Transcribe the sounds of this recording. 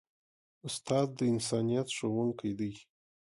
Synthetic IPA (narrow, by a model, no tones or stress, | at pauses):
ʊst̪ɑd̪̚ːəɪnsɑnijat̪ʃowuŋkajd̪əj